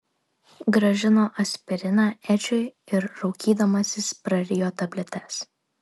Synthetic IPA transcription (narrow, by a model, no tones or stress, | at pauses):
ɡɾɐʒʲɪnoːʔɐsʲpʲɛɾʲɪnɑːʔɛt͡ʃʲʊɪɪɾɾɐʊkʲiːd̪ɐmɐsʲɪspɾɐɾʲɪjoːt̪ɐbʲlʲɛt̪ʲɛs